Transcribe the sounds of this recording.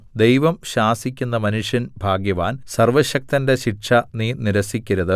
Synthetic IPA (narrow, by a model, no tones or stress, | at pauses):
d̪e̞jʋɐmɕaːsikʲːunːɐmɐnuʂjɐnbʱaːɡjɐʋaːnsɐrʋɐɕɐk̚t̪ɐnde̞ɕiʈʂɐniːniɾɐsikʲːiɾɐðɨ